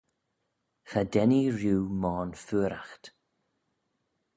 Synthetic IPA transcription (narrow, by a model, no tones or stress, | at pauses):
xadɛniɹjuːmɔːnfʉːɾaxt̪